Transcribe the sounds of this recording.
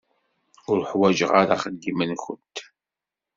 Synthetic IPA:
ʊɾħwæd͡ʒəʁaɾaχəd̪ːimənçə̰nt̪

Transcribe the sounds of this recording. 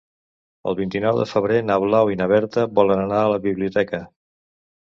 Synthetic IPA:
ə̰lˠβint̪inɔwðəfəβ̞ɾenaβlawinəβ̞ɛɾt̪əβɔlənənaələβiβliut̪ɛkə

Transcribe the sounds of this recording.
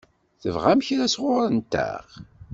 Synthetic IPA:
θəvʁamçɾæsʁʊɾənt̪æ̰ʁ

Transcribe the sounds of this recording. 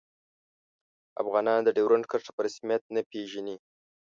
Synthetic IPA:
a̰fɣɑnɑnd̪əɖewɾaɳɖkəʂḁpəɾasmjat̪̚napeʒani

